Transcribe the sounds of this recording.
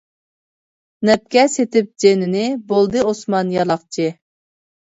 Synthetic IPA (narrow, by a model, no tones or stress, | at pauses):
nɛp̚kʲɛset̪ɪp̚d͡ʒenɪnɪbolˠd̪ɨosmɑnjɑlˠɑχt͡ʃʰɪ